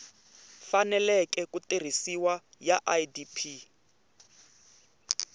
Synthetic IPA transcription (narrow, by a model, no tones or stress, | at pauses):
fanɛlɛkɛkutir̤isiwa | jaʔaidipʰi